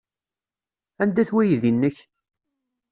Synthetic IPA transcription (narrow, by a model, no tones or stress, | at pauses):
ænd̪æθwæjðinːəç